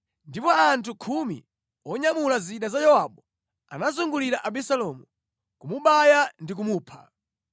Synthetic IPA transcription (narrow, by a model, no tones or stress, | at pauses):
ndipɔantʰukʰumḭ | ɔɲamulaziɗazajɔwaɓɔ | a̰nazuŋɡuliɾaʔaɓisalɔmu | kumuɓajandik̬umuːpʰa